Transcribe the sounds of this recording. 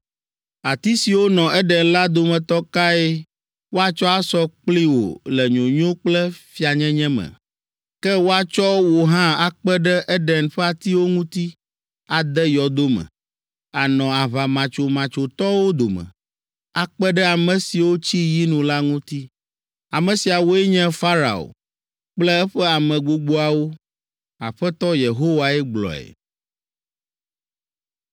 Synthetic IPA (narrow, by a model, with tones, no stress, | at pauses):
a˨t̪i˦si˨wo˦nɔ̃˨ɛ˦ɖɛ˨nla˦d̪o˨mɛ̃˨t̪ɔ˦ka˦e˦ | wo˦a˦t͡ʃɔ˦a˦sɔ˦k͡pli˦wo̰˨lɛ˨ɲõ˨ɲõ˦k͡plɛ˦fi˦a˨ɲɛ̃˦ɲɛ̃˦mɛ̰̃˨ | kɛ˦wo˦a˦t͡ʃɔ˦wo˨ɦã˦a˦k͡pɛ˦ɖɛ˦ʔɛ˦ɖɛ˨nɸɛ˦a˨t̪i˦wo˦ŋũ˦t̪i˦ | a˨d̪ɛ˦jɔ˨d̪o˦mɛ̰̃˨ | a˨nɔ̃˨a˨βa˨mã˨t͡ʃo˨mã˨t͡ʃo˨t̪ɔ˦wo˦d̪o˨mɛ̰̃˨ | a˨k͡pɛ˦ɖɛ˦a˨mɛ̃˨si˨wo˦t͡ɕi˦ji˦nũ˨la˦ŋũ˦t̪i˦ | a˨mɛ̃˨si˨a˨wo˦ɛ˦ɲɛ̃˦fa˦ɾa̰˨o̰˨ | k͡plɛ˦ɛ˦ɸɛ˦a˨mɛ̃˨ɡ͡bo˨ɡ͡bo˦a˨wo˦ | a˨ɸɛ˦t̪ɔ˦je˨ɦo˦wa˨ɛ˦ɡ͡blɔ̰˨ɛ̰˨